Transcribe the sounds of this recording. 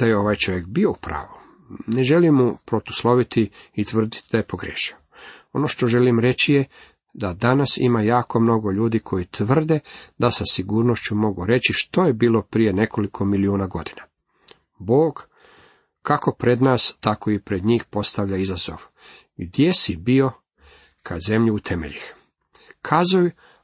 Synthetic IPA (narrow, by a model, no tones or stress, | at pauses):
d̪̥ajeo̞ʋaːjt͡ʃo̞ʋjekbio̞upɾa̰ːʋu | ne̞ʒe̞limːupɾo̞t̪u̥slˠo̞ʋit̪iit̪ʋr̩d̪it̪id̪aje̞po̞ɡɾeːʃioo̞noʃt̪o̞ʒe̞limɾe̞t͡ɕije | d̪ad̪anasḭmajaːko̞mno̞ɡo̞ʎuːd̪ikʰo̞jit̪ʋr̩d̪e̞d̪asasiɡuːɾnoʃt͡ɕumo̞ɡuɾe̞t͡ɕiʃt̪o̞jebiːlopɾije̞ne̞kʰo̞likʰo̞miliuːnaɡo̞d̪ina | boːɡ | kako̞pɾe̞d̪naːst̪akʰo̞ipɾed̪ɲiːxpo̞st̪aʋʎaizazo̞̰ʋ | ɡd̪je̞sibio̞ | kʰaze̞mʎuːt̪ʰe̞mḛʎix | kʰaːzuju